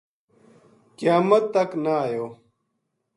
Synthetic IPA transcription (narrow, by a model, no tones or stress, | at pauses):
kijaːmɐt̪ːɐknaːjoː